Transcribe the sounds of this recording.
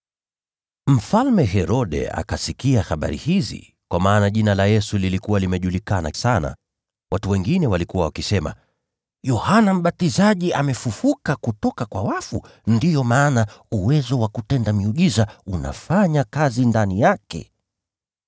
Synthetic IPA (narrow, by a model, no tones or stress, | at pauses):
m̩falmɛɦɛɾɔɗɛ̰a̰kasikiaxaɓa̰ɾḭhizḭ | kwamaːnaʄinalajɛsulilikuwalimɛʄulikana̰sana̰ | watuwɛŋɡinɛwalikuwawakisɛma̰ | jɔhanam̩ɓatizaʄiamɛfufukakutɔkakwawafu | ndijɔmaːnauwɛzɔwakutɛndamiuʄizauna̰faɲakazindanijakɛ̰